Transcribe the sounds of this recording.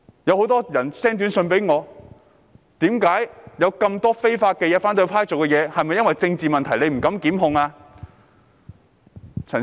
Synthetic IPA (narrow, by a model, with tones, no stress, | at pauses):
jɐ˨˧who˨˧˥wt̪ɔː˥jɐ˨˩nsɛː˥ŋt̪y˨˥nsɵ˧npe˨˥jŋɔː˨˧ | t̪iː˨˥mkaː˨˥jjɐ˨˧wkɐ˧mt̪ɔː˥fe˥jfaː˧t̚kɛ˧jɛː˨˧faː˥nt̪ɵ˧pʰaː˥jt͡sʊ˨˩wkɛ˧jɛː˨˧hɐ˨jmɐ˨jːɐ˥nwɐ˨jt͡sɪ˧ŋt͡siː˨mɐ˨nt̪ʰɐ˨˩jle˨˧jm̩˨˩kɐ˨˥mkiː˨˥mɦʊ˧ŋaː˧ | t͡sʰɐ˨˩n